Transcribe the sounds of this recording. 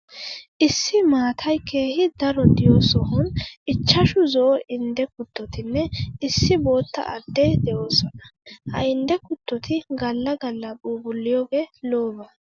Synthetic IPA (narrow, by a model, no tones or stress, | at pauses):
ʔɪsːɪmaːt̪ʰɐjke̞ːhɪd̪ɐɾɔd̪ɪjoːsɔhʊnɪt͡ʃːɐʃʊzɔːʔɪnd̪ɛkʊt̪ːɔt̪ɪnːɛɪsːɪbo̞ːt̪ːɐ̰ʔɐ̰d̪ːed̪ɛʔoːsɔnɐ̥hɐ̰ɪnd̪ɛkʊt̪ːɔt̪ʰɪɡɐlːɐɡɐlːɐbuːbʊlːɪjoːɡeːlo̞ːbɐ